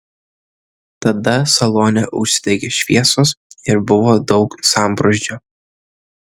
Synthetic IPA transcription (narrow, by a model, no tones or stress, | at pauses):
t̪ɐd̪ɐsɐlˠoːnʲɛʔʊʃʲsʲɪ̥t̪ʲɛɪkʲeʃʲʋʲiɛsoːsɪɾbʊʋoːd̪ɒʊksɑˑmbɾoʒʲd͡ʒʲoː